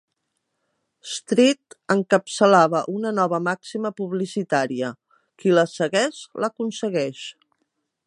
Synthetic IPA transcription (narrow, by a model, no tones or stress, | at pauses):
st̪ɾit̪əŋkəpsəlaβəʔunənɔβəmaksiməpuβlisit̪aɾiə | kiləsəɣɛʃləkunsəɣɛʃ